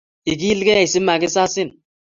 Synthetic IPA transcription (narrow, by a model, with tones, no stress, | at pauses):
i˨k̬i˦lɡe˦˨i˨si˦mːa˨ki˦sa˦sɪ˦n